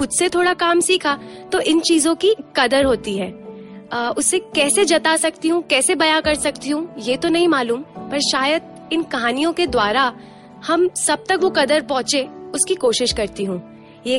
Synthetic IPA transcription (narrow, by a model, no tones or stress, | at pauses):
xʊd̪set̪ʰoːɽakaːmsiːkʰat̪oʔɪnt͡ʃiːzõkikɐd̪əɾɦoːt̪iɦɛː | ʊsːekɛːsed͡ʒɐt̪asɐk̚t̪iɦũkɛːsebɐjãkɐɾsɐkt̪iɦũjet̪onɐɦĩmaːluːmpɐɾʃaːjəd̪̚ | ɪnkɐɦaːnijõked̪waːɾa | hɐmsɐb̚t̪ɐkʋokɐd̪əɾpɔ̃ɦt͡ʃeʊskikoːʃɪʃkɐɾt̪iɦũː | jeː